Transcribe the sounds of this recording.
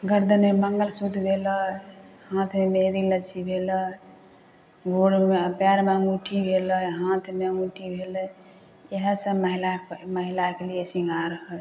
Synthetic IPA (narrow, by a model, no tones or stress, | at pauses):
ɡəɾd̪ənmeməŋɡəlsud̪ʱbʱeləhãt̪ʰmemed̪ilət͡ʃʰibʱelə | ɡoɽmepaɾmemuʈʰibʱeləɦãt̪ʰmemuʈʰibʱelə | eɦə̃sə̃məɦilakməɦilakelijesiŋɡʱaɾəɦə